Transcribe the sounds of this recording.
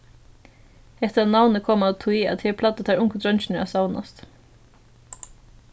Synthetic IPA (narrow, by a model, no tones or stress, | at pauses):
hɛht̪ɾanawnəkʰɔːmat̪ʰujat̪hɛːɹpʰlat̪ːət̪ʰaɾʊŋkəd̪ɾœjnt͡ʃɪnɪɹa̰sawna̰st̪